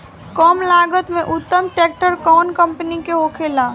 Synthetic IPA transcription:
kɔmlaɡət̪meʔut̪ːəmʈek̚ʈəɾkɔnkəmpnikeɦokʰela

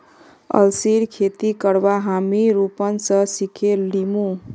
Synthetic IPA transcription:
ə̰lsiɾkʰet̪ikəɾbaɦamiɾupənsəsikʰelimũ

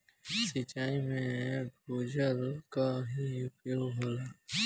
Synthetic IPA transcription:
sit͡ʃaːimẽbʱoːd͡ʒəɾkaɦiupioɦoːla

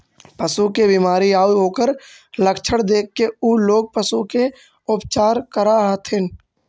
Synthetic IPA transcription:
pəsukebiːmaːɾiaːuɦoːkəɾləkt͡ʃʰəɽd̪eːkːeuːloːɡ̚pəsuke | ʊpt͡ʃaːɾkəɾat̪ʰɪn

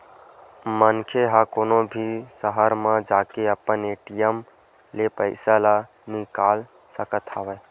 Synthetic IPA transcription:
mənkʰeɦakoːnobʱisəɦəɾmãd͡ʒaːkeəpəneːʈijəm | lepəɪsala | nikaːl | səkət̪ʰaːʋə

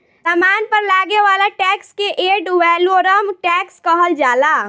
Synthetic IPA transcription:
t̪amanpəɾlaɡeʋalaʈɛkskeʔeɖwɛloɾəmʈɛkskəɦəld͡ʒala

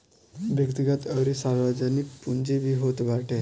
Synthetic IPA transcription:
bʱjəkt̪iɡat̪əɾisaɾʋad͡ʑaniːk̚pund͡ʑebiɦot̪ʋaʈʰe

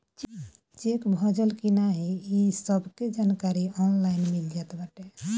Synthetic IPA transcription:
t͡ʃ | t͡ʃekbʱɔd͡ʒəlkinaɦiisɔbked͡ʒankaɾiɔnlajnmild͡ʒat̪baʈe

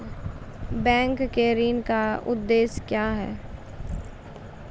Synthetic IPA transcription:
bɛ̃ːŋkːeɾiːnkaʊ̰d̪ːeːskjaːɦɛ̰ː

